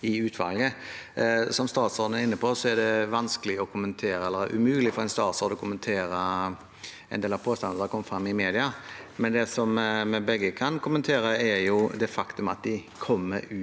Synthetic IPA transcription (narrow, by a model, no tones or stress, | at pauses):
ɪʉːt̪ʰʋɑ̰lɡə | sɔmst̪ɑːt̪sɔːd̪n̩æɾɪnːəpʰosɔæɖɛʋɑnskəlɪɔkʰʊmənt̪ʰeːɾəɛlːəɾʔʉ̰mʉːlɪfɔɾɛɪnst̪ɑːt̪sɔːɾd̪ɔkʰʊmənt̪ʰeːɾə | ɛɪnd̪eːlɑpʰoːst̪ɑnd̪əd̪ɑkʰɔmːəfɾɑmːɪmeːd̪ɪɑmɛnd̪ɛsɔmmɛbɛɡːəkʰɑnkʰʊmənt̪ʰeːɾəæɾjʊd̪ɛfɑkt̪ʉmɑt̪̚d̪ɪ | kʰɔmːə̰ɾʉ